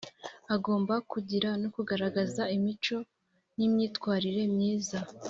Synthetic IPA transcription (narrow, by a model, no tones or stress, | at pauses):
aɡo̞ːmbakuɟiɾanokuɡaɾaɡazaimit͡ʃo̞ | nimɲiːtkwaːɾiɾe̞mɲiːza